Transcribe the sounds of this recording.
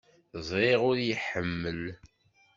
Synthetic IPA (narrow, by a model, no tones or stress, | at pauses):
zˤɾeʁʊɾjəħəmːəl